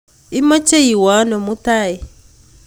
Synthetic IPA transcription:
i˦mɔ˦t͡ʃe˦i˨wa˨˦nɔ˨mu˦ta˦˨ji˨

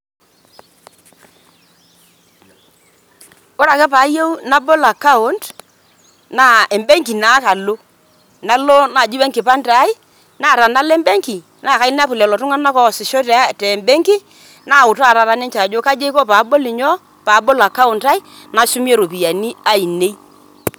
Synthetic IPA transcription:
o˦ɾa˨kɛ˦paː˨˦je˦wna˦bo˦la˨ka˦ʊ˦nt | na˦e˨mbe˦ŋki˨na˨˦ka˨lo˦ | na˦lo˦na˨d͡ʒi˦we˦ŋkɪ˨pa˦nta˨˦i˦ | na˦˨ɾa˨na˦lɛ˦mbe˦ŋki˨ | na˦˨ka˨i˦n˦a˦pʊ˨lɛ˨lɔ˨tʊ˦ŋa˦na˦kɔ˦˨sɪ˨ʃo˦tɛ˨˦˨tɛ˨mbe˦ŋki˦ | na˦˨ʊ˨ta˦˨ɾa˨ɾa˨˦nɛ˦ɲt͡ʃa˨d͡ʒo˦ka˦d͡ʒe˦i˦ko˦paː˨˦bo˦lɪ˨ɲɔ˦ | pa˨˦bo˦la˨ka˦ʊ˨nta˦ɪ˦ | na˨ʃʊ˦mi˦e˦˨ɾo˨pi˨ja˨ni˦a˦i˨ne˦

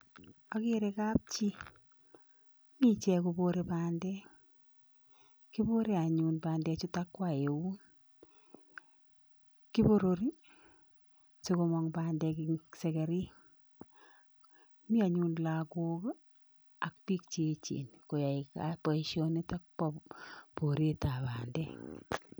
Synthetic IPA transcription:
a˨keɾekap̚t͡ʃi˦ | mi˦t͡ʃɛ˧ko˧boɾepaːndɛ˦ | ki˦bo˦ɾe˦a˨ɲunbaːndɛ˧t͡ʃʊ˦ta˦kːwa˨e˨wu˦n | ki˦bo˦ɾoɾi˦ɲ | se˦komɔŋbaːndɛ˧kisɛ˨kɛ˨ɾi˦ | mi˦a˨ɲunla˨ko˦k | a˨k̚pi˦k̚t͡ʃet͡ʃḛ˨nko˨ja˨ika̰pɔ˨iʃjo˦ni˦ta˦k̚pɔpo˨ɾe˦ta˨baː˨ndɛ˦

